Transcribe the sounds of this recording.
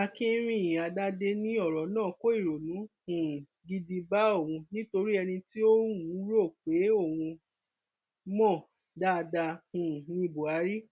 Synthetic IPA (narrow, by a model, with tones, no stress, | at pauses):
a˧kĩ˦ɾ̃ĩ˦˨jĩ˨a˧da˦de˧nĩ˦ɔ˦˨ɾɔ˨˦nãː˦˨ko˦i˦˨ɾo˨nũ˨˦hũ˨ | ɡi˧di˧ba˦o˦˨wũ˧nĩ˦to˧ɾi˦ɛ˧nĩ˧ti˦o˦ũ˨˦ɾo˦˨k͡pe˨˦o˦˨wũ˧ | mɔ̃˦˨ | da˦˧da˧hũ˨nĩ˧˨bo˨a˨˦ɾi˦